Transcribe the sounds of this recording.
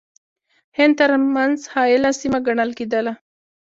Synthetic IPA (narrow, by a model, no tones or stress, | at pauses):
hɪnd̪̚t̪əɾmanzhɑjɪlasimaɡaɳəlked̪əla